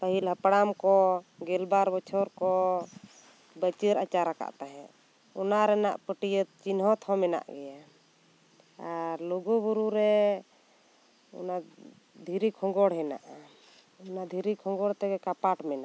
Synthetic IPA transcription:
p̪əɦilɦəpɽamkɔɡɛlbaɾbɔt͡ʃʰɔɾkɔ | bət͡ʃiɾat͡ʃaɾaka̰ʔt̪aɦɛ̃ʔ | ɔnaɾɛna̰ʔpəʈijət̪̚t͡ʃinɦɔt̪hɔmɛna̰ʔɡɛja | aɾlɔɡubuɾuɾɛ | ɔ̰na | d̪ʱiɾikʰɔ̃ŋɡɔɽɦɛna̰ʔa | ɔnad̪ʱiɾikʰɔŋɡɔɽt̪ɛɡɛkapaʈmɛnaʔ

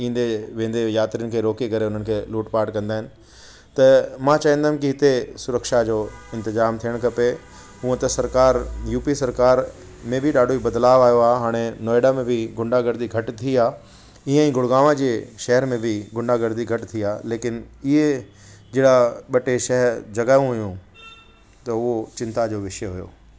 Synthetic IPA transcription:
ĩːn̆d̪eʋẽːn̆d̪ejaːt̪ɾijənɪ̆kʰeːɾoːkikɐɾeʊn̤ənɪkʰeːluːʈpaːʈkɐ̃nd̪aːɦɪnɪ̆ | t̪ɐmãːt͡ɕaĩnd̪aːʊ̃mkiɦɪt̪esʊɾəkʃad͡ʑoːɪ̃nt̪ɪzaːmt̪ʰijəɽ̃kɐpe | ɦũːə̃t̪ɐsɐɾkaːɾjuːpisɐɾkaːɾ | mẽbʱɪɗaːɖʱoibɐd̪laːʋaːjoaːɦɦaːɽ̃enɔːɪɖamẽbʱɪɡʱʊ̃ɳɖaɡɐɾd̪iɡʱɐʈt̪ʰiaː | iə̃ĩːɡʱʊɽɡaːmad͡ʑeːʃɛɦɛɾmẽbʱɪɡʱʊ̃ɳɖaɡɐɾd̪iɡʱɐʈt̪ʰiaːleːkɪnɪɦe | d͡ʑeːɽaɓɐʈeʃɛɦɛɾd͡ʑɐɡaːjũɦʊjũ | t̪ɐʊɦot͡ɕɪ̃nt̪ad͡ʑoːʋɪʃjəɦʊjo̰ː

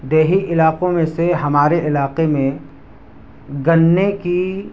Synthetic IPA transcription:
d̪eːɦiʔɪlaːqõmẽseɦɐmaːɾeʔɪlaːqemẽ | ɡɐnːeki

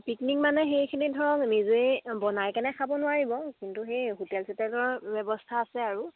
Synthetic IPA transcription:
piknik̚manɛxejkʰinidʱɔɹɔŋnizuebɔnajkɛnɛkʰabɔnʊaɹibɔkintuxejɦutɛlsɛtɛlɔbɛbɔstʰaːsɛaɹu

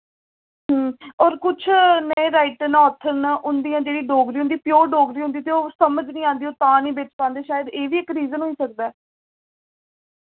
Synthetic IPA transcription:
ɦəːɔːɾkʊt͡ʃʰneɾaːɪʈənɔːt̪ʰənʔʊnd̪ijãːd͡ʒeːɽiːɖoːɡɾiːʊ̃nd̪iːpjoːɖoːɡɾiːɦʊ̃nd̪iːt̪eoːsəməd͡ʒnĩːãːnd̪iːoːt̪ãːnĩːbeːt͡ʃpãːnd̪eːʃaːjəd̪eːʋiːɪkɾiːzənɦoiːsək̚d̪aː

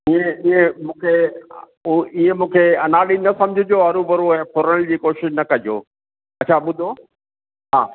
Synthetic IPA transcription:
iẽiẽmũːkʰe | uiːẽmũːkʰeɐnaːɗinɐsɐ̃md͡ʑʱɪd͡ʑoɐɾubɐɾuɛ̃ːfʰoːɾəld͡ʑiːkoːʃɪʃnɐkɐd͡ʑo̰ː | ɐt͡ɕʰaːɓʊd̪ʱoː | ɦa̰ː

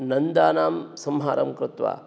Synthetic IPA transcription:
nɐnd̪aːnaːmsɐmɦaːɾɐ̰mkɾɪt̪ʋa̰ː

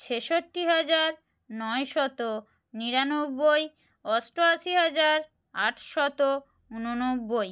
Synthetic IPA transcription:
t͡ɕʰeʃoʈːiɦad͡ʑaɾ | nɔeʃɔt̪o | niɾanobːoj | ɔsʈoaʃiɦad͡ʑaɾ | aʈʰʃɔt̪o | unonobːoj

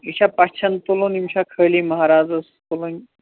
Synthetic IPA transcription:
iɕʰapaɕt͡ɕʰənt̪olonimɕakʰəliməɦaɾad͡zəst̪olon

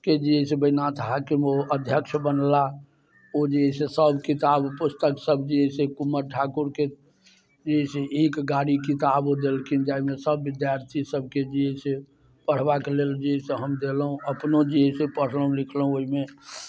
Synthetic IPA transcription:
ked͡ʒiɦesebəinat̪ɦakimoʔəd̪ʱjəkʃbənla | od͡ʒiɦɛsesəbkit̪abpʊst̪əksəbd͡ʒiesekumːəɾʈʰakuɾke | d͡ʒiseikɡaɽikit̪abod̪elkind͡ʒaimesəbːɪd̪jaɾt̪ʰisəb̚ked͡ʒiese | pəɽ̤bakeleld͡ʒiɦeseɦəmd̪elɦũəpnod͡ʒiɦəsepəɽ̤ləɦũlɪkʰləɦũoɦime

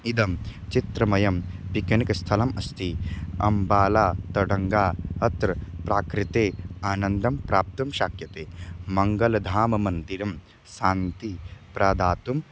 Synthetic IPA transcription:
id̪ɐmt͡ʃit̪ɾɐmɐjɐmpikɐnikɐst̪ʰɐlɐmɐst̪ʰiɐ̰mbaːlaːt̪ɐɽɐŋɡaːɐt̪ɾɐpɾaːkɾit̪eːaːnɐnd̪ɐmpɾaːp̚t̪ɐmʃaːkʰjɐt̪eːmɐŋɡɐlɐd̪ʱaːmɐmɐnd̪iɾɐm | ʃaːnt̪ipɾaːd̪aːt̪um

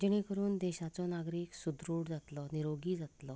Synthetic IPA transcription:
d͡ʑeɽ̃ikəɾuːnd̪ɛɕat͡sɔnaɡɾiːksud̪ɾuːɽd͡zat̪lɔniɾoɡiːd͡zat̪lɔ

